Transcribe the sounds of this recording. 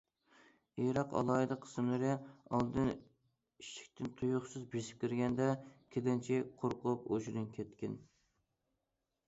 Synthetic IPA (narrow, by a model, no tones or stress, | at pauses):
eɾɑqʰɑ̰lˠɑːɨd̪əqʰə̥smlˠɨɾɨɑ̰lˠd̪ɨn | iʃi̥kʲt̪ʰɪnt̪ʰujuχsɨzbesɪ̥p̚ʲkʲiɾɡʲɛnd̪ɛkʲʰelɪnt͡ʃʰɛqʰoɾqʊpoʒɾɨnkʲʰɛt̪kʲɪn